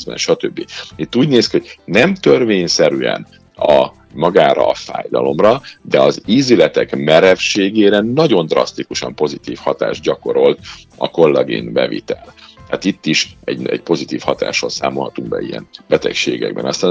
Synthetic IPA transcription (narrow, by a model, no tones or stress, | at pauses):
bɛ̰nʃɒt̪øbːiit̪ːuːɟneːskiho̞ɟ̥nɛmt̪ørveːɲsɛɾyɛ̰n | ɒ | mɒɡaːɾɒ̰ːfa̰ːjd̪ɒlo̞mrɒd̪ɛɒziːzylɛt̪ɛkmɛɾɛfʃeːɡeːɾɛnɒɟo̞nd̪rɒ̰st̪ikuʃɒmpo̞zit̪iːfhɒt̪a̰ːʒɟɒko̞ɾo̞lt̪ɒ̰ko̞lːɛɡḭnbɛvḭt̪ɛlaːt̪it̪ːiʃɛɟɛɟpo̞zit̪iːfhɒt̪a̰ːʃoːlsaːmo̞lɦɒt̪uŋɡbɛ̰ijɛnbɛt̪ɛkʃeːɡɛ̰ɡ̚bɛ̰nɒst̪aːn